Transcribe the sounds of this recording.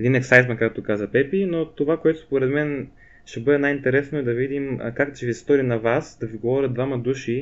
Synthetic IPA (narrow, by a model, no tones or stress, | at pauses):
ɛd̪inɛksajt̪mɐkakt̪okazɐpɛpinot̪ovakoɛt̪ʊ̥spoɾɛd̪mɛn | ʃɛbɤd̪ɛnajint̪ɛɾɛsnoɛd̪ɐvid̪imkakd̪t͡ʃɛvist̪ɔɾinɐvasd̪ɐviɡovɔɾʲəd̪d̪vamɐd̪uʃi